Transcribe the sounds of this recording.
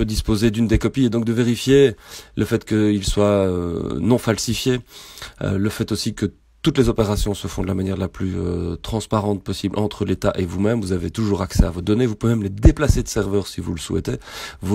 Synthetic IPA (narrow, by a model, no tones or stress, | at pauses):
pød̪ispozed̪ynd̪ekɔpied̪ɔ̃k̚d̪əveʁifjeləfɛt̪kəilswaø̰nɔ̃falsifjḛ | ləfɛt̪osikə | t̪ut̪lezɔpeʁasjɔ̃səfɔ̃d̪əlamanjɛʁlaplyø̰t̪χɑ̃spaʁɑ̃t̪̚pɔsiblʔɑ̰̃t̪χəlet̪aʔevumɛmvuzavet̪uʒuːʁaksɛ̰avod̪ɔnevupɛmled̪eplased̪əsɛʁvœːʁsivṵləsuɛ̰t̪evu